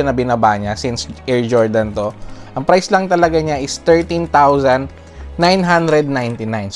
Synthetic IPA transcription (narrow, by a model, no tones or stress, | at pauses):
ɐnɐbɪnɐbaʔɲasɪnsʔɛɹd͡ʒoɹd̪ɐnt̪oʔɐŋpɾajslɐŋt̪ɐlɐɡaɲaʔɪst̪ɛɹt̪ĩnt̪awsɐ̃nd̪ | najnɦãnd̪ɾɛd̪̚najnt̪ɪnajns